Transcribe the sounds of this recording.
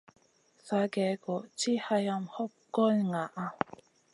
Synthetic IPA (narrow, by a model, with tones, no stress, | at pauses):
sa˨˦ɡɛ˨˦kɔ˨t͡ʃi˦ha˧ja˦˧mhɔ˦p̚kɔ˦lŋa˨ʔa˦